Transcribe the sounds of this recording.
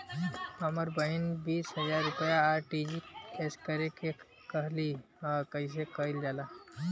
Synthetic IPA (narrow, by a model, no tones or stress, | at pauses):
əməɾbəinbiːsɦəzaɾːupəjaːɾʈid͡ʒieskəɾeke | kəɦli | akəjs̬ekəild͡ʒala